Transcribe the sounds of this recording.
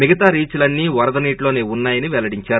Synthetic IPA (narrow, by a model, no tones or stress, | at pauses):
miɡɐt̪aːɾiːt͡ʃulɐnːiːʋɐɾɐd̪ɐniːʈlo̞ːne̞ːunːaːjɐniʋɛlɐɽiɲt͡ʃaːɾu